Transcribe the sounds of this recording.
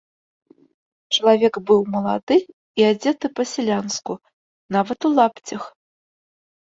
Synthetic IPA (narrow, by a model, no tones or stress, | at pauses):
t͡ʂɐlˠavʲɛɡbɨwmɐlˠad̪ɨ | iad͡zʲɛt̪ɨpɐsʲɛlʲansku | navɐt̪ulˠapt͡sʲɐx